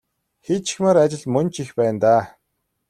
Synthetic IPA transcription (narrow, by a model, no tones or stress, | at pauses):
xet̪t͡ɕʰi̥xmeːɾat͡ɕɪ̆ɮmɵnt͡ɕixpæːnt̪aː